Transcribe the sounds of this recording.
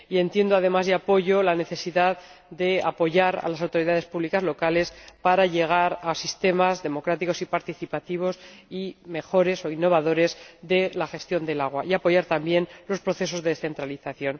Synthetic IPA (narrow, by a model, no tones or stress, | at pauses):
ie̞nt̪je̞nd̪oaðe̞mazðeapo̞ʝo̞lane̞θe̞siðað | d̪e̞apo̞ʝaɾa̰lasawt̪oɾiðaðespuβlikazlo̞kale̞spaɾaʝe̞ɣ̞aɾasist̪e̞mazðe̞mo̞kɾat̪iko̞sipaɾt̪iθipat̪iβ̞o̞sime̞xo̞ɾe̞so̞inːo̞β̞aðo̞ɾe̞zðe̞laxe̞st̪jo̞nd̪e̞laɣ̞waʔiapo̞ʝaɾt̪ambje̞nlo̞spɾo̞θe̞so̞zðe̞ðeθe̞nt̪ɾaliθaθjo̞n